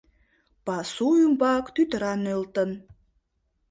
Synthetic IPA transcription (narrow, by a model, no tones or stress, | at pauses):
pɑsuymbɑkt̪yt̪əɾɑnølt̪ə̆n